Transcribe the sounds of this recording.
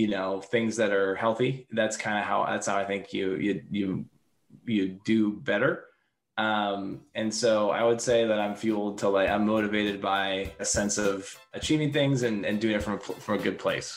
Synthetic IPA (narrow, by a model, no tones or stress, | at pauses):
jɨnoʊθɪ̃ŋzðɨɾə˞hɛlˠθiðætskʰãɪ̃ndɨɦaʊðæ̰tshaʊaɪθɪ̃ŋkʰjɨ̰jɨjɨ | jɨdɨbɛɾə˞ | ʔʌ̃mɨ̃nsoʊa̰ɪwɨdseɪðɨɾãɪ̃ɱfjul̩ˠd̚tʰəlaɪkã̰ɪ̃mːoʊɾɨveɪɾɨd̚baɪɨsɛ̃nsʌv̥ | ɨt͡ʃʰivɪ̃ŋθɪ̃ŋzɨ̃nɨ̃ndʉɪ̃ŋɨtfɹʌ̃məpʰfɹʌ̃mɨɡʊd̚pʰl̥eɪs